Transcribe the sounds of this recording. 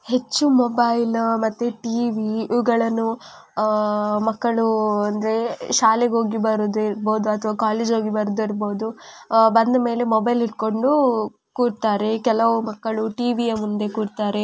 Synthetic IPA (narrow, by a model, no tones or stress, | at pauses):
he̞t͡ʃːumobɐjlmɐt̪ːuʈiːʋiiʋɡɐɭɐnːu | mɐkːɐɭuɐnd̪ɐɾe̞ʃaːleɡo̞ːɡibɐɾod̪iɾboːd̪uɐt̪ʰʋaːkaːleːd͡ʒɦoːɡibɐɾud̪iɾbo̞ːd̪ubɐnd̪ɐme̞ːle̞mobɐjliʈ̚ko̞ɳɖu | kuːɖt̪aːɾe̞kɛlɐʋumɐkːɐɭuʈiːʋijɐmund̪e̞kuːɖt̪aːɾe̞